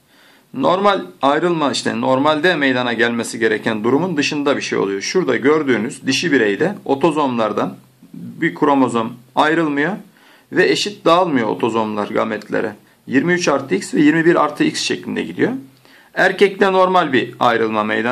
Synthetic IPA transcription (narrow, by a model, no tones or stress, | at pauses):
no̞ɾmalʲajɾɯlˠmaiʃt̪ʰɛ̰no̞ɾmalʲd̪ɛmejd̪anaɟælʲmesiɟe̞ɾecʰænd̪uɾumund̪ɯʃɯnd̪abiʃḛjo̰ujo̞ʃuɾd̪aɟøɾd̪yːnyzd̪iʃibiɾejd̪ɛo̞t̪ʰo̞zo̞mlˠaɾd̪an | bikʰuɾomo̞zo̞majɾɯlˠmɯjo | vɛeʃit̪̚d̪aːlˠmɯjo̞o̰t̪ʰo̞zo̞mlˠaɾɡa̰mɛt̪ʰlʲḛɾɛ | jiɾmiyt͡ʃaɾt̪ʰɯicsvɛjiɾmibiɾa̰ɾt̪ʰːɯicsʃeclʲind̪ɛ̰ɟid̪ḭjo̞ | æɾcɛclɛno̞ɾmalʲbia̰jɾɯlˠmamḛjd̪a